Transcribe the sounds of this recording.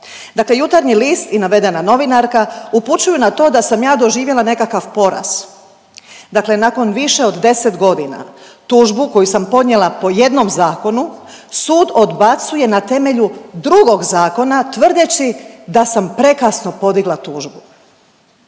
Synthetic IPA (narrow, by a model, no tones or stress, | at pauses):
d̪akle̞jut̪aɾɲiliːst̪inaʋe̞d̪e̞nano̞ʋinaɾkauput͡ʃujunat̪o̞ːd̪asamjaːd̪o̞ʒiːʋje̞lane̞kakaʋpo̞ɾa̰z̥ | d̪akle̞nako̞nʋiʃe̞od̪d̪e̞set̪ɡo̞d̪ina̰t̪uːʒbuko̞jusampo̞d̪nɲjelˠapo̞je̞d̪no̞mzaːko̞nusuːd̪o̞d̪bat̪suje̞nat̪e̞me̞ʎud̪ɾuɡo̞ɡzaːko̞nat̪ʋr̩d̪et͡ɕid̪asampɾe̞kasno̞po̞d̪iɡlat̪uːʒbu